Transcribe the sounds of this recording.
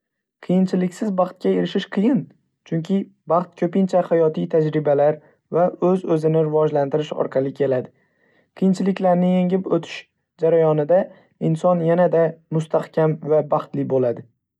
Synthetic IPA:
qʰɨjɪnt͡ʃʰɪlɪkʲsɪzbɑχt̪̚kʲae̞ɾɪʃɪʃqʰɨjɪn | t͡ʃʰʊŋkʲʰɪ | bɑχt̪̚kʲʰɵpɪnt͡ʃʰahajɒt̪ʰijt̪ʰad͡ʒɾɪbalaɾ | vaɵzɵzɪnɪɾɪvɒd͡ʒlant̪ɪɾɪʃɒ̰ɾqʰɑlˠɪkʲʰe̞lad̪ɪ | qʰɨjɪnt͡ʃʰɪlɪkʲlaɾnɪjeŋɪpot̪ʰɪ̥ʃ | d͡ʒaɾajɒnɪd̪a | ɪnsɒnjanad̪amʊst̪ʰahkʲʰamvabɑχt̪lɪbolad̪ɪ

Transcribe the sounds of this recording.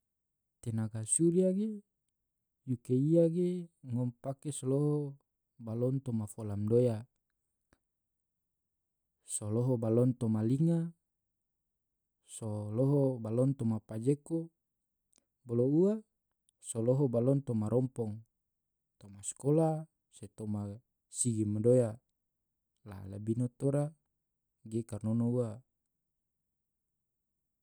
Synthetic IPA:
t̪enaɡasuɾiaɡe | jukeiaɡeŋɔmpakesoloɦɔ | balɔnt̪omafolamdoja | soloɦɔbalɔnt̪ɔmaliŋa | soloɦɔbalɔnt̪ɔmapad͡ʒeko | boloua | sɔlɔɦɔbalɔnt̪ɔmaɾʔɔmpɔŋ | t̪ɔmaskɔla | set̪ɔma | siɡimadoja | la̰labinot̪ɔɾa | ɡekarnonoua

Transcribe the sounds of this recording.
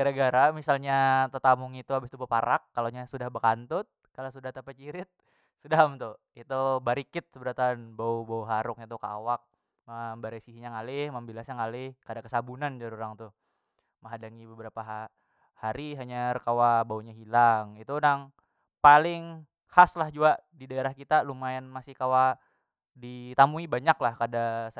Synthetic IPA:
ɡaɾaɡaɾamisalɲat̪ət̪amʊŋit̪uabɪst̪ubəpaɾakːaloɲasudahbəkant̪ʊt̪̚kalasudaht̪əpət͡ʃiɾɪt̪̚ | sudamt̪ʊ | it̪ubaɾikɪt̪̚səbəɾat̪anbaubauɦaɾʊk̚ɲat̪uka̰wak̚ | mambaɾesiɦiɲaŋalɪhməmbilasɲaŋalɪhkadakəsabunand͡ʒaɾuɾaŋt̪ʊ | məɦadaŋibəbəɾapaɦ | haɾiɦaɲarəkawabauɲaɦilaŋit̪unaŋ | palɪŋ | haslahd͡ʒuaʔdidaeɾahkit̪alumaɪnmasɪhkawa | dit̪amuibaɲaklahkadas

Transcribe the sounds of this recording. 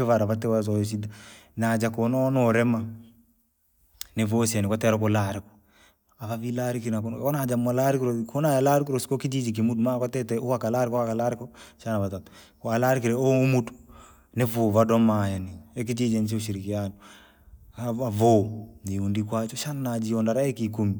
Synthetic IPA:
ɪvaɾavatɛwas̬ɔjɔs̬idanad͡ʒakɔnɔnɔɾɛma | nɛvosɛnɪkatɛɾɔkɔlaɾɪkɔ̥ | avavilaɾikiɾnakɔnkɔnad͡ʒamɔlaɾikiɾokonajalaɾikiɾosi̥kokid͡ʒid͡ʒik̬imudumakatɛtɛowakalaɾɪkɔakalaɾɪkɔʃanaβatatɔ̥ | kɔalaɾikiɾɛoumutu̥ | nevovadɔmajaniɛk̬id͡ʒid͡ʒɛnt͡ʃ̬euʃiɾikianɔ | avoniundikwat͡ʃɔʃananad͡ʒiɔndaɾaɛkikumi

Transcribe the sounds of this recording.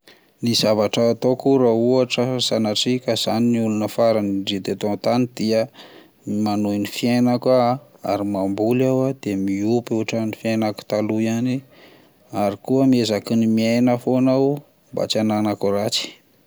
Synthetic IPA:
nizavaʈ͡ʂəːt̪okuɾauaʈ͡ʂəzanaʈ͡ʂikaz̥aniniulunəfaɾaniɖ͡ʐit̪et̪õnt̪anid̪iə | manojnifiejnakaa̰ɾimambulawad̪̥emiupuaʈ͡ʂənifjenaku̥t̪aluiani | aɾikuəmiezakinimiajnəfonaw | mba̰t͡ʃananakuɾat͡si̥

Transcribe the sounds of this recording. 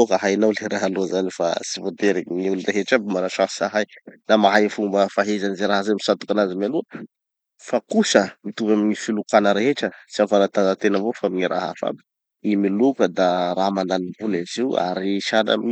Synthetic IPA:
okəɦajnawleɾaɦalozanifa̰sivod̪eɾeŋiulureɦeʈ͡ʂabimanaʃasaɦajnamaɦajfumbəfaɦezanizeɾaɦazamisat̪u̥kanazimaluə | fakusəmit̪uvamiŋifilukanəɾeɦeʈ͡ʂəsiafanat̪azat̪enəvofamiɲiɾa̰ɦa̰fa̰bi | imilukəd̪aɾamananibunaziwa̰ɾiʃana̰mii

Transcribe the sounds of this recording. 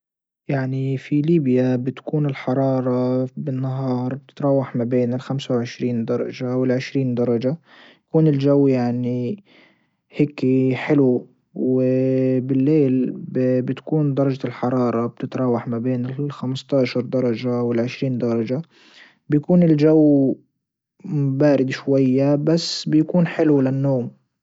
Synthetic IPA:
jaʕnifiliːbjabɪt̪ḁkuːnɪlħɑɾˤɑːɾˤɑbɪnːaɦɑːɾˤb̚t̪ɪ̥t̪ɾˤɑːwaħmabeːnɪlxamsawʕɪʃɾiːnd̪ɑɾˤɑ̰ʒawɪlʕɪʃɾiːnd̪ɑɾˤɑd͡ʒa | jjakuːnɪlʒawːjaʕni | heːkiħɪlu | wɪbɪlːeːlbbɪt̪kuːnd̪ɑɾˤɑd͡ʒalħɑɾˤɑːɾˤɑb̥̚t̪ɪt̪ɾˤɑːwaħmabeːnɪlxamɪst̪ɑːʃɑɾˤd̪ɑɾˤɑʒawɪlʕɪʃɾiːnd̪ɑɾˤɑd͡ʒa | bɪjakuːnɪld͡ʒawː | baːɾɪd̪ʃwajːabasːbɪjakuːnħɪlulɪnːoːm

